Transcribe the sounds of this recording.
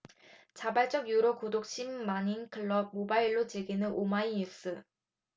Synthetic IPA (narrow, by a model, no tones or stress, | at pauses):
t͡ɕabaɭt͡ɕ͈ʌɡjuɾokodok̚ɕ͈ʰimːaɲinkʰɯɭːʌb̚mobaiɭːot͡ɕeɡinɯnʔomaiɲjus͈ɯ